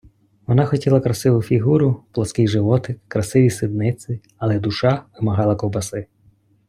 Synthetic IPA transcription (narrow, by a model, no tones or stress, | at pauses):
ʋɔnɑxɔtʲilˠɐkɾɐsɪʋʊfʲiɦuɾʊplˠɐskɪjʒɪʋɔt̪ɪkɾɐsɪʋʲisɪd̪nɪt͡s̪ʲɪ | ɐlˠɛd̪ʊʃɑʋɪmɐɦɑlˠɐkɔwbɐsɪ